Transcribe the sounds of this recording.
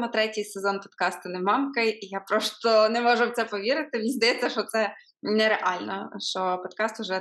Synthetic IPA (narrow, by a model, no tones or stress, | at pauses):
mɔt̪ɾɛtʲɪjsezɔnpɔd̪kɑst̪ʊnɛmɑmkɐjʔijapɾɔst̪ɔnɛmɔʒʊwt̪sɛpɔʋʲiɾɪt̪ɪmʲinzd̪ɐjɛt͡sʲːɐʃɔt̪sɛ | nɛɾeʔɑlʲnɔ̰ʃt͡ʃɔpɔd̪̚kɑst̪ʊʒɛ